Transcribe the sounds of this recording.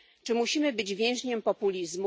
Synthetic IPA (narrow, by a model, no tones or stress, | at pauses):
t͡ʂɘmuɕimɘbɘd͡ʑvʲjɛ̃w̃ʑɲɛmpɔpulʲizmu